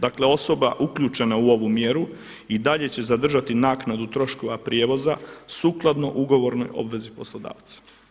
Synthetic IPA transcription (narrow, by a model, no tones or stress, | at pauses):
d̪akle̞o̞so̞ba̰ʔukʎut͡ʃe̞nauo̞ʋumje̞ɾu | id̪aʎe̞t͡ɕe̞zad̪r̩ʒat̪inaːknad̪ut̪ɾo̞ʃko̞ʋapɾjeːʋo̞zasuːklˠad̪no̞̰ʔuɡo̞ʋo̞ɾnojo̞̰bʋe̞zipo̞slod̪a̰ːʋt̪sḁ